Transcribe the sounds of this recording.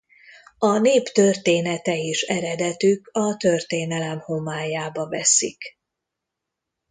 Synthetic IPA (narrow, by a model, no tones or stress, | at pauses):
ɒneːpt̪ørt̪eːnɛt̪ɛiʃɛɾɛd̪ɛt̪ykɒt̪ørt̪eːnɛlɛmho̞maːjaːbɒvɛsḭk